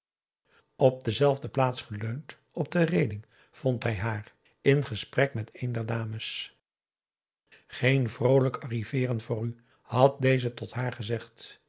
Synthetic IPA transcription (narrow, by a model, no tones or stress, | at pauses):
ɔp̚dəzɛlˠvdəplaːtsχəløɥnt | ɔb̚dərejdɪŋ | v̥ɔntɦɛjɦaːr | ɪnχəsprɛkmɛtejndɛɹdaːməs | χejnvrowləkɑrivɪːrənvʊːɾy | hɑt̚dejzətɔtɦaːɹχəzɛχt